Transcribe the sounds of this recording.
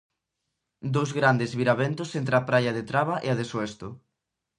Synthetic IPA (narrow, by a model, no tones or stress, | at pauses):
d̪owzɣɾand̪ezβiɾaβent̪ʊsent̪ɾeapɾajɐðet̪ɾaβɐʔeaðesoɛst̪ʊ